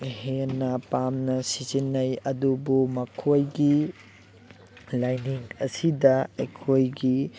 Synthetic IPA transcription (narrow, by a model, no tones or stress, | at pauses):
henɐpamnɐsizinːɐjɐdubumɐkʰojɡi | lajniŋɐsidɐɐjkʰojɡi